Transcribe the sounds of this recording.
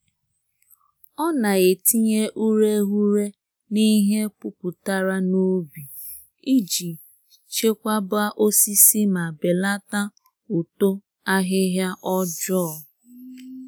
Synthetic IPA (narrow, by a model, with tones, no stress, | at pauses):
ɔ˦na˨e˨ti˦ɲe˦ʔu˦ɾe˦ɦu˦ɾe˦ | ni˦ɦe˦pʊ˦pʊ˨ta˦ɾa˦nu˦bi˨ | i˦d͡ʒi˨ | t͡ʃe˦kʷa˦ba˦ʔo˦si˦si˦ma˨be˨la˦ta˦ | u˨to˦ | a˦ɦɪ˦ɦja˦ʔɔ˦d͡ʒɔ˦˨